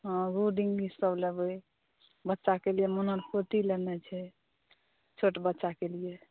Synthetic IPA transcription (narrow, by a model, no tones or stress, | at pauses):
ɦɔ̃ɾuɖiŋɡbisəbləbəj | bətːʃakelijɛmunəɾkot̪ilənɛt͡ʃʰɛ | t͡ʃʰoʈbətːʃakelije